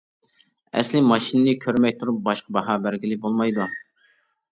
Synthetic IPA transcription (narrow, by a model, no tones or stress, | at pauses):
ɛ̰slɪmɑʃinɨnɨkʲʰøɾmɛkʲt̪ʰuɾup̚bɑʃqʰəbɑɦɑːbæɾɡʲilɪbolˠmɑjd̪u